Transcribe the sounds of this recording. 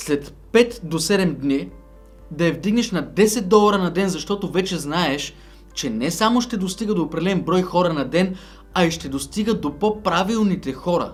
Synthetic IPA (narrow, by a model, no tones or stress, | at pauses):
slɛt̪ | pɛt̪d̪osɛd̪ɛmd̪ni | d̪ɐɐvd̪iɡnɛʃnɐd̪ɛsɛt̪̚d̪ɔlˠɐɾɐnɐd̪ɛnzɐʃt̪ɔt̪ovɛt͡ʃɛznaɛʃ | t͡ʃɛnɛsamoʃt̪ɛd̪ost̪iɡəd̪oːpɾɐd̪ɛlɛmbɾɔjxɔɾɐnɐd̪ɛn | ɐiʃt̪ɛd̪ost̪iɡəd̪opopɾavilˠnit̪ɛxɔɾɐ̰